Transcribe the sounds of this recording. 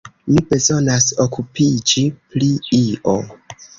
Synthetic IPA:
mibe̞zo̞nasokʰupid͡ʒipliiʔo

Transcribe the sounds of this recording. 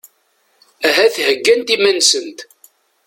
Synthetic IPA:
æɦæθhəɡːænt̪imænsənt̪

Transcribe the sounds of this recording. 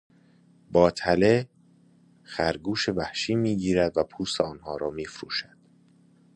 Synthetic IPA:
bɒːt̪ʰæle | xæɾɡuːʃevæhʃiːmiːɟiːɾæd̪væpʰuːseɒːnhɒːɾɒːmiːfɾṵːʃæd̪̥

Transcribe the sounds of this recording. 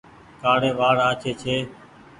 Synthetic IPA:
kaːɽeːʋaːɽaːt͡ʃʰeːt͡ʃʰeː

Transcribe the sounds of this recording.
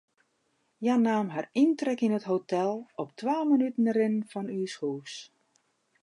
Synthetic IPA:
janaːmɦarintrɛkinətɦotʰɛlˠɔp̚tʰwaːlmənytən̩əɾɪnnfɔnyːshuːs

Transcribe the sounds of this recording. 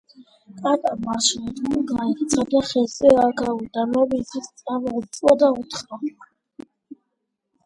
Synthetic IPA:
kʼat̪ʼamaʃlt̪uɡait̪sʰad̪aχɛsɛaɡaud̪amɔbizist̪sʼamt̪sʼwad̪aut̪ʰχav

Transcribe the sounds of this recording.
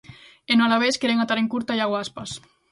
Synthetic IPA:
enalaβ̞eskeɾeŋat̪aɾeŋkuɾt̪ajaɣwaspas

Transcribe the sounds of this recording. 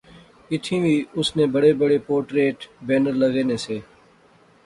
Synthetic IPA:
ɪt̪ʰĩːʋiːʊsneːbəɽeːbəɽeːpoːɾʈɾeːʈbeːnəɾləɡeːneːseː

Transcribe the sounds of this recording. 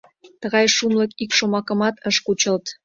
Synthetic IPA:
t̪əɣɑjʃumləkikʃomɑkə̆mɑt̪əʃkut͡ɕəlt̪

